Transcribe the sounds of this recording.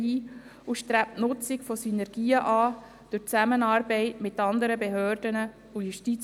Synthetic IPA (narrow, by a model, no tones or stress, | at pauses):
iː | uʃtɾæp̚tnʊt͡sɪkfosynɛɾɡiːəʔɑː | d̪̥ʊt͡sæmənɑːɾbɛɪtmɪtːɑnd̪əɾəbeɦøːrd̥ənə | ujuʃtit͡s